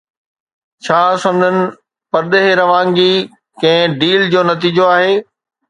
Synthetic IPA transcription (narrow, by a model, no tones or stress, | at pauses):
t͡ɕʰaːsɐ̃md͡ʑənɪ̆ | pɐɾɗ̪eɦeɾɐʋãːŋɡi | kɐ̃ɦɪ̃ɖiːld͡ʑoːnɐt̪̬iːd͡ʑoaːɦeː